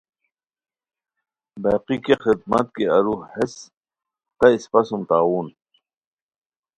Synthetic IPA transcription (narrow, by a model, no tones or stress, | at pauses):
baːqikexid̪̚mɐ̰t̪̚keɐɾuhes | t̪ɐispɐsumt̪aːwuːn